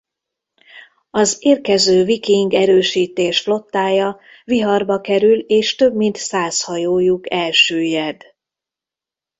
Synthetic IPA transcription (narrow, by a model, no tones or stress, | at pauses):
ɒzeːrkɛzøːvikiŋɡɛɾøːʃiːt̪eːʃflo̞t̪ːaːjɒ | viɦɒrbɒkɛɾyleːʃt̪ø̞bmint̪saːshɒjoːjukɛlʃøːjɛd̪